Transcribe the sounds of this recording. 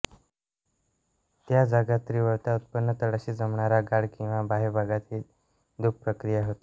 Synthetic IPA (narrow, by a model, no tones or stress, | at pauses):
t̪jad͡zaɡat̪ːɾiʋəɾt̪aut̪̚pənːət̪əɽəɕiːd͡zəmɳaɾaɡaɽkĩw̃ʋabʱaɦebʱaɡat̪ʰiːl | d̪uk̚pɾəkɾijaɦot̪e̥